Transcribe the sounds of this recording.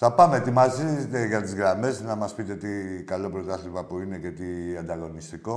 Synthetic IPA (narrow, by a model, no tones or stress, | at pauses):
θɐpɐme̞t̪imɐziet̪eʝɐt̪izɣɾɐme̞znɐmɐspit̪e̞t̪ikalo̞pɾo̞t̪ɐθizmɐpuine̞ce̞t̪iɐnd̪ɐɣo̞nist̪iko̞